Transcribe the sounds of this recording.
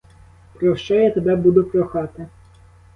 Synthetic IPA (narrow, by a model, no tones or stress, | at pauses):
pɾɔwʃt͡ʃɔjat̪ebɛbud̪ʊpɾɔxɑt̪ɪ